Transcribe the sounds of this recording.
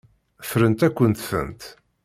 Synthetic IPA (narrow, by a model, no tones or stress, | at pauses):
fɾənt̪ækʷːənt̪fə̰nt̪